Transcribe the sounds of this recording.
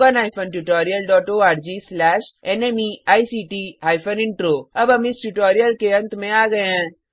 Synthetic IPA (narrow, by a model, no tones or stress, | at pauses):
ənaːjpʰənʈuʈaːɾijəlɖɔːʈoaːɾd͡ʒiːslɛːʃenemiaːisiːʈiɦaːjpʰənɪɳʈɾoːɐbɐmisʈuʈɔːɾijəlkeɐ̃nt̪mẽaːɡɐjãː